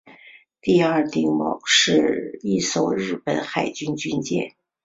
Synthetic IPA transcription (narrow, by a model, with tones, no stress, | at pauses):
t̪i˥˧ɐ˞˥˧t̪i˥˧ŋmɑ̰˨˩ʊʂɻ̩˥˧i˥˩ʂo˨˩ʊɻɻ̩˥˩pə˨˩˦nxa˨˩ɪt͡ɕy˥nt͡ɕy˥nt͡ɕjɛ̰˥˩n